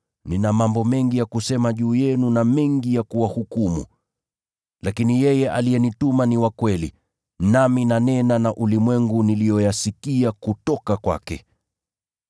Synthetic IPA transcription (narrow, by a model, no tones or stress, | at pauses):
ninamambɔmɛŋɡijakusɛmaʄuːjɛnunamɛŋɡijakuwahukumṵ | lakinijɛjɛʔa̰liɛnitumaniwakwɛlḭ | naminanɛnanaʔulimwɛŋɡunilijɔjasikiakutɔkakwa̰kɛ̰